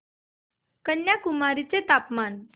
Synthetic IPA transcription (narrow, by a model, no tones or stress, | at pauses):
kənjakumaɾit͡set̪apman